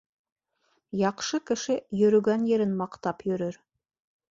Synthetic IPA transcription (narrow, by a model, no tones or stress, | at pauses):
jɑqʃɤkɘ̆ʃɘjɵ̆ɾɵ̆ɡænjĕɾɘnmɑqt̪ɑpjɵ̆ɾɵɾ